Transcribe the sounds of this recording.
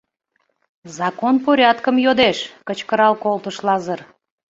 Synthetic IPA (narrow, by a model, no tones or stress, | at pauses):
zɑkonpoɾʲɑt̪kəmjod̪eʃkət͡ɕkəɾɑlkolt̪əʃlɑzər